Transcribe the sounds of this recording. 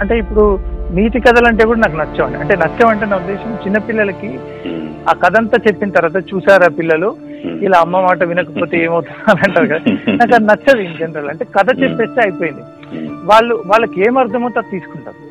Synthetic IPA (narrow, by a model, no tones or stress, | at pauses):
ɐɳʈe̞ːipːuɽumiːt̪ikɐd̪ɐlɐɳʈe̞ːkuːɽɐnaːk̬unɐt͡ʃːɐʋɐɳɖḭɐ̰ɳʈe̞ːnɐt͡ʃːɐmɐɳʈ̬enaːud̪ːɛːʃɐmt͡ʃinːɐpilːɐlɐki | aːkɐd̪ʱɐnt̪aːt͡ʃe̞pːinɐt̪ɐɾʋaːt̪̬ɐt͡ʃuːsaːɾaːpilːɐlu | ilaɐmːɐmaːʈ̬ɐʋinɐkɐpo̞ːt̪e̞eːmɐwut̪unːaːɾɐɳʈaːɾukɐd̪aːnaːkɐnɐt͡ʃːɐd̪ind͡ʒɐnɾɐlɐɳʈe̞ːkɐd̪ɐt͡ʃepːe̞ːst̪eɐjipoːjind̪i | ʋaːɭːuʋaːɭːɐkieːmɐɾd̪ʱɐmɐt̪at̪iːsu̥kuɳʈa̰ːɾu